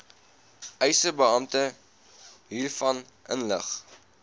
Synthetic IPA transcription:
ʔɛjsəbəɑmtə | ɦiːrfɐn | ʔə̰nləχ

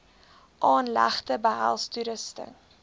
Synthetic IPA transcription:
ʔɑːnlæ̰χtəbəɦæ̰lˠstuɾəstə̰ŋ

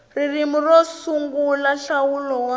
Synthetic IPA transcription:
ririmurɔsuŋɡulaɬawulɔw

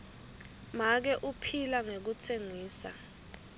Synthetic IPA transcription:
mak̬ɛʔupʰilaŋek̬ut͡sʰeŋiːsa̰

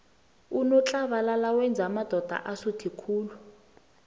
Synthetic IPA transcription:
unɔt͡ɬʼaβalalawɛnd͡zʱamad̥ʱɔd̥ʱa̰ʔasutʰikʰuːlu

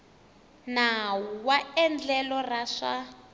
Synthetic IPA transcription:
nawuwaɛnd͡ɮɛlɔraʂa

